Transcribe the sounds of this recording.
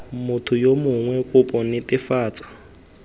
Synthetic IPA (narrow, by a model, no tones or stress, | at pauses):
mʊtʰʊjomʊŋwɛkʼʊpʼɔnɪtʼɪfaːt͡sʼḁ